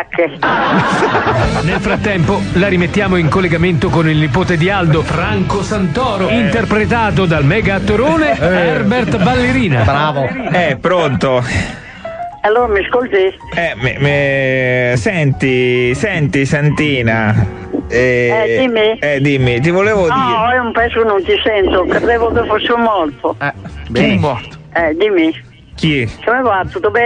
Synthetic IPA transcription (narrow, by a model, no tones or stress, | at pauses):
kːe | nelfɾat̪ːɛmpolaɾimet̪ːjaːmoiŋkolːeɡament̪okonilnipoːt̪ed̪iald̪ofɾaŋkosant̪ɔːɾoint̪erpɾet̪aːt̪od̪almɛːɡat̪ːoɾoːnearbert̪balːeɾiːnabɾaːvoɛpːɾont̪o | alːoːɾamiskolt̪i | ɛmm | sɛnt̪isɛnt̪isant̪iːna | ɛɛd̪imːiɛd̪imːit̪̬ivoleːvodniɔɛumpɛsokenːont̪isɛnt̪okɾed̪ɛvokefosːɪumːɔrt̪oɛimɔɾt̪ | ɛd̪imi | kikomevat̪ːut̪ːobɛ